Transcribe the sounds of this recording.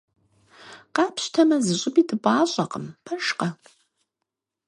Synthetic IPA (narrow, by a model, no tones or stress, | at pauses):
qɑːpʰɕtʰɐmɐzɨɕʼɪbiːdɨbʼaːɕʼɐqəmpʰɐʃqɐ